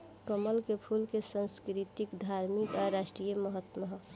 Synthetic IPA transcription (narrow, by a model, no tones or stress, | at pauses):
kəməlkepʰulkesə̃nskɾit̪ikd̪ʱaːɾmikaɾaːʃʈɾijəməɦət̪məɦ